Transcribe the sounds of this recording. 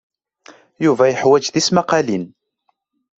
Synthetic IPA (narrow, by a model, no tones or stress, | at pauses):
juvæjəħwæd͡ʒðismaqɑlin